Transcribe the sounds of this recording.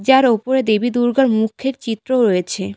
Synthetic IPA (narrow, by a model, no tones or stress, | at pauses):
d͡ʑaɾopoɾed̪ebid̪uɾɡaɾmukʰːeɾt͡ɕit̪ːɾoɾojet͡ɕʰe